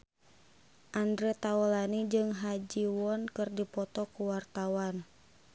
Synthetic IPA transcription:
ʔandɾɛt̪aɔlanid͡ʒɨŋɦad͡ʒiwɔnkɨrdipɔt̪ɔkuwart̪awan

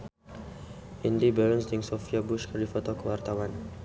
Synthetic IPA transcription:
ʔindibəɾnsdɪŋsɔfiabuʃkərdifɔt̪ɔkəwart̪awan

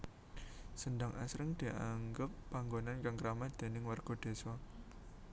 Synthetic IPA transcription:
səndaŋʔa̰sɾɪŋd̪̥iʔaŋɡəpːaŋɡonankaŋkəɾamahd̪̥e̤nɪŋwarɡ̥ɔ̤d̪̥e̤swa

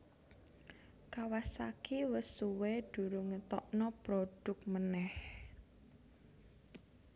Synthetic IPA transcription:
kawasakiwəsuwed̪̥ṳɾuŋət̪ɔʔnɔpɾoɖ̥ʊk̚mənɛh

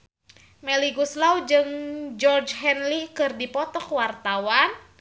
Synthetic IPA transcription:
mɛliɡuslawd͡ʒɨŋd͡ʒɔrd͡ʒɦɛnlikɨrdipɔt̪ɔkwart̪awan

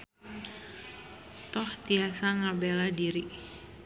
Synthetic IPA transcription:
t̪ɔht̪iasaŋabeladiɾi

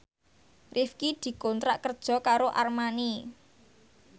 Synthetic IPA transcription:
rʔifkid̪̥i̤kɔnt̪ɾaʔkərd̥ʒ̥ɔ̤kaɾoʔarmani

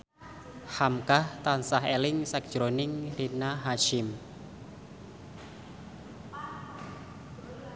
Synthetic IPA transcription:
hamkaht̪ansaɦelɪŋsɛk̚ʒ̥ɾonɪŋrinaɦaʃɪm

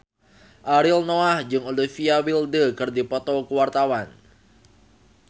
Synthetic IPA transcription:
ʔaɾilnoahd͡ʒɨŋolifiawildəkɨrdipɔt̪ɔkəwart̪awan

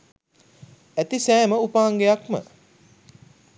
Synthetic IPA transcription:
æt̪isæːməupaːŋɡejakmə̰

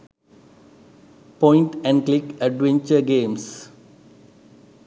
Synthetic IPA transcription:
pɔ̃ɪ̃ɳʈɛ̃ɳɖklɪkɛɖʋɛ̃ɲt͡ʃəɾɡẽːms

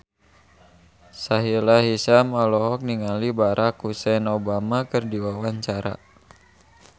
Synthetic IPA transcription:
saɦilaɦisamalɔɦɔk̚niŋalibaɾʔakusɛnobamakɨrdiwawaɲt͡ʃaɾa̰

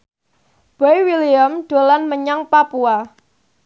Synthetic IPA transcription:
b̥ajwiliamɖ̥o̤lanməɲaŋpapua

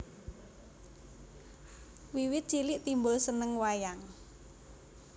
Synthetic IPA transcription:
wiwɪt̪̚t͡ʃilɪʔt̪imbʊlsənəŋwajaŋ

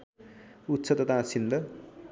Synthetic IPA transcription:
ut̪ːt͡sʰʌt̪ʌt̪ãsind̪ʌ

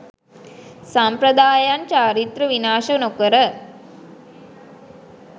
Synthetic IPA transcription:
sampɾəd̪aːjant͡ʃaːɾit̪ɾəʋinaːʃənokəɾə

